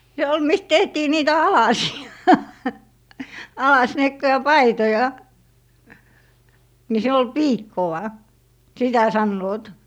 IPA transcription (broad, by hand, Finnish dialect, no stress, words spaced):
se ol mist tehtiː niːtæ ɑlɑsiɑ ɑlɑsniekːojɑ pɑitojɑ ni siːn ol piːkːow̆ɑ sitæ sɑnːoːt